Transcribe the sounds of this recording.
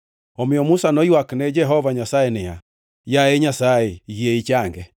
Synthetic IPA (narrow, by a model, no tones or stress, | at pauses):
ɔmeɔmusanɔiwaknɛd͡ʒɛɦɔvaɲasaɛnɛa̰ | jaɛɲasaɛieit͡ʃaŋɡɛ